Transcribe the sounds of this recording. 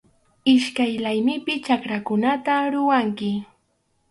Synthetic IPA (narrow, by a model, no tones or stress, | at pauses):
ɪʃkajlajmɪpɪt͡ʃakɾakʊnat̪aɾʊwaŋkɪ